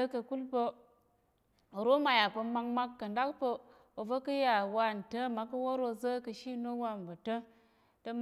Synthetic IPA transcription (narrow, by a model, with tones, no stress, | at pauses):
kə˨ku˦lpə˧ | o˨ɾo˦ma˨ja˨pə˧ma˧ŋma˦kːə˨nda˦kpə˦ | o˨və˦kə˦ja˨wa˦˨n̩˨tə˦ma˨˦kə˦wo˦ɾo˧zə˦kə˨ʃi˦no˦wa˧˨n˨bə˨tə˦ | tə˦m